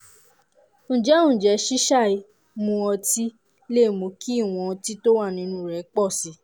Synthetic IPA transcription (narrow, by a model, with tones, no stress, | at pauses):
ñ̩˨d͡ʒɛ˦ũ˦˨d͡ʒɛ˨˦ʃi˦ʃa˦˨i˨˧ | mũ˧ɔ˧ti˦ | le˦˨mũ˨˧ki˦˨w̃ɔ̃˧ɔ˧ti˦to˦wa˦˨nĩ˨˧˦nũ˦ɾɛ˨˦k͡pɔ˦˨si˨˦